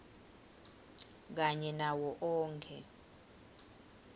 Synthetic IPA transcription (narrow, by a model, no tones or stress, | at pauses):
k̬aɲɛnawɔʔɔːŋkʰɛ̰